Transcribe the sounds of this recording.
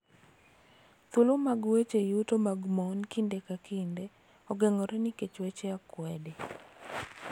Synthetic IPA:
t̪ʊlomaɡwet͡ʃejutomaɡmɔnkɪndekakʰɪndɛ | ɔɡɛŋɔɾɛnɪket͡ʃwɛt͡ʃɛakwɛdɛ

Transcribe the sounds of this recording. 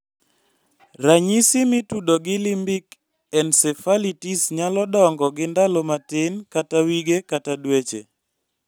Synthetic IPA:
ɾaɲisɪmɪtudoɡɪlimbik | ɛndsɛfalitisɲalɔdɔŋɡɔɡɪndalɔmatɪnkatawiɡekatadwet͡ʃe

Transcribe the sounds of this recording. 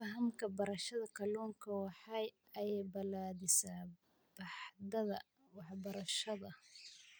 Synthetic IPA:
fɐɦɐmkʰɐbɐɾɐʃɐðɐkʰɐluːŋkʰɐwɑħɑj | ʔɐjɛjbɐlaːðɪsaː | b̥ɑħd̪ɐðɐ | wɑħbɐɾɐʃɐðɐ

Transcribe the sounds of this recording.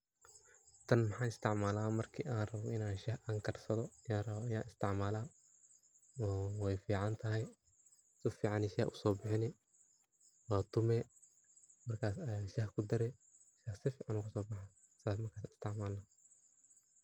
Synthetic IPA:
t̪ʰɐnmɐħɑːɪst̪ʰɪʕmaːlamɐrkʰḭːʔaːnrɐβɔʔɪnaːnʃɐhʔɐŋkʰɐrsɐðɔɐjaːrɐβɔɐja̰ːʔɪst̪ʰɪʕmaːlaː | ɔːwɛjfiːʕɑnt̪ʰɐɦɛj | sɪfiːʕɑnɛʃɐhʔʊsɔːbɪħɪnɪ | waːt̪ʰʊmɛː | mɐrkʰaːsɐaʃɐhkʰʊd̪ɐɾɛ | ʃɐhsɪfiːʕɑnʊkʰasɔːbɑħa | saːs̬mɐrkʰaːsaːnɪ̥st̪ʰɪʕmaːlna

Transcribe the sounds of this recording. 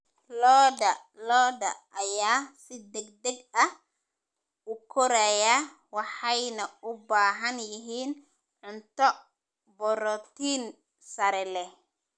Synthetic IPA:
lɔːdɐ | lɔːdɐʔɐjaːsɪd̪ɛɡd̪ɛɡɐh | ʊkʰɔɾɛja | wɑħɑjnɐʊbaːɦɐnjɪɦiːn | ʕʊnt̪ɔ | bɔɾɔt̪ʰiːn | sɐɾɛlɛ

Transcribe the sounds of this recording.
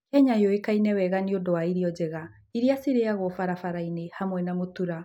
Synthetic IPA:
kɛɲaejoekainɛwɛɣaniodoaiɾiɔd͡ʑɛɣa | iɾiasiɾeaɣwɔfaɾafaɾainehamwɛnamotuɾa

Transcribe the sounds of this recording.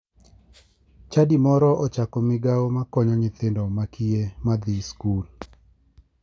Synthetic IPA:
t͡ʃadimɔɾɔʔɔt͡ʃakɔmɪɡaomakɔɲɔɲɪt̪endɔmakiemad̪iskul

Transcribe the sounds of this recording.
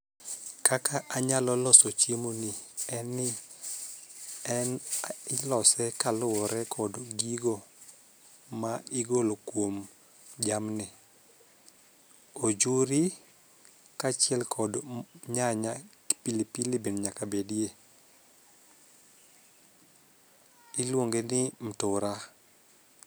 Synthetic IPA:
kakaʔaɲalɔlɔsɔt͡ʃjemonɪɛnɪ | ɛnɪlɔsɛkalʊwɔɾɛkʰɔdɡiɡo | maɪɡolokwom | d͡ʒamnɪ | od͡ʒuɾi | kat͡ʃɪɛlkʰɔdɲaɲa | pilipilɪbenɲakabedje | ɪlwoŋɡenɪm̩tʊɾa

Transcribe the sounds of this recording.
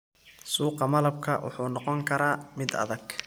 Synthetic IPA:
suːqɑmɐlɐb̚kʰɐ̰wʊ̰ħuːnɔqɔŋkʰɐɾaːmɪd̪ɐ̰ðɐɡ̥

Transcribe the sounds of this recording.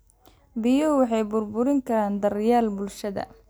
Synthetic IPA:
bɪjʊwɑħɑjbʊrbʊɾɪŋkʰɐɾaːnd̪ɐrjaːlbʊlʃɐðɐ̰

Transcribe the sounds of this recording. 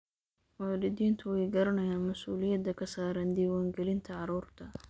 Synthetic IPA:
waːlɪd̪iːnt̪ʰʊwɛjɡɐɾɐnɐjaːnmɐsuːlɪjɐd̪ːɐkʰɐsaːɾɐnd̪iːwaːŋɡɛlɪnt̪ʰɐʕɑɾuːrt̪ʰɐ

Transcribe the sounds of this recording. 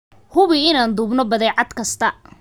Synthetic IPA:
hʊβɪɪnaːnd̪uːbnɔbɐðɛjʕɑd̪kʰɐst̪ʰɐ

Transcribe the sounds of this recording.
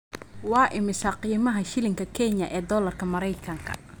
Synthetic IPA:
wɑːʔɪmɪsɐqiːmɐɦɐʃɪlɪŋkʰɐkʰɛɲɐʔɛːd̪ɔːlɐrkʰɐmɐɾɛjkʰɐŋkʰɐ̰

